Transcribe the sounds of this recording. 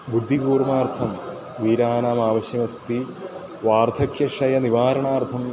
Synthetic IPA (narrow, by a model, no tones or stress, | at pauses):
bud̪ʱːikuːrmaːrt̪ʰɐm | ʋiːɾaːnaːmaːʋɐɕjɐmɐst̪i | ʋaːrt̪ʰɐkʰjɐʂɐjɐniʋaːɾɐɳaːrt̪ʰɐm